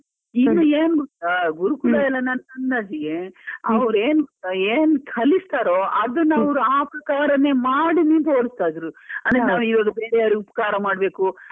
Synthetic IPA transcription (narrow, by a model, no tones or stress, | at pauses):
inːueːnɡut̪ːaɡuɾukulɐɛlːɐnɐnɐnːɐd͡ʒiɡeɐ̰ʋɐɾeːnut̪ːaeːnkʰɐlist̪aːɾoɐd̪ɐnːɐɐʋɾuaːpɾɐkaːɾɐneːmaːɽinint̪oːɽist̪aːd̪ɾuɐnd̪ɐnaːʋuiʋaːɡɐbeːɾɛjaːɾiupɐ̥kaːɾɐmaːɽbe̞ːku